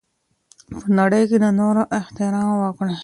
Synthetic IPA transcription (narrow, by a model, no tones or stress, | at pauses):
pənaɽəjkenanoɾoʔɪht̪ɪɾɑmwəkɽ